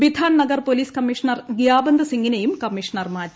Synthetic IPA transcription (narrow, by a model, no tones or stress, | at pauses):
bid̪ʱaːnnɐɡɐrpoliːskɐmːiʂɐnɐrɡjaːbɐnd̪ʱɐsiŋɡinejumkɐmːiʂɐnɐrmaːtːu